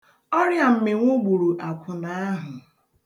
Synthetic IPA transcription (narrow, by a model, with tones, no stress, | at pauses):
ɔ˦ɾja˨m̩˨mɪ˨ŋʷʊ˦ɡ͡bu˨ɾu˨ʔa˨kʰʷʊ˨na˦ɦʊ˨